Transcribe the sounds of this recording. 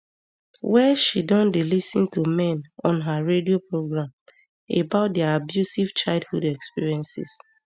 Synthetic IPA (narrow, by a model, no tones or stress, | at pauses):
wɛʃidɔ̃ndelisḭ̃ntumɛ̃nɔ̃nɦaɹediopɹoɡɹãm | ebaʊt̚dɛabjusivt͡ʃaɪlˠd̚hudɛkspiɹiɛ̃nsɪ̰s